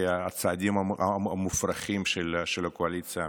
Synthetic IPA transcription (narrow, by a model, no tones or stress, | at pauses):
aat͡saad̪imaaamufraχimʃelʃelakoalit͡sɨja